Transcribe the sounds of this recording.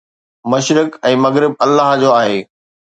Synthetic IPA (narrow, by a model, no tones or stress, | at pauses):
mɐʃɾɪkɛ̃ːmɐɣɾɪb̚ɐlːaːɦd͡ʑoaːɦeː